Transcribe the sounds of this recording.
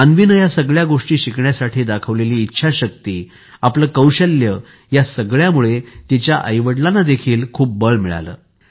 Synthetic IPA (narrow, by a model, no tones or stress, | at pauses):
anʋinəjasəɡɭjaɡoʂʈiːɕikɳjasaʈʰiːd̪akʰəʋleliːtːɕʰaɕək̚t̪iː | apləːkəwɕəljə | jasəɡɭjamuɭet̪it͡ɕjaʔəjʋəɽlanːad̪ekʰiːlkʰuːp̚bəɭmiɭa̰lə̰ː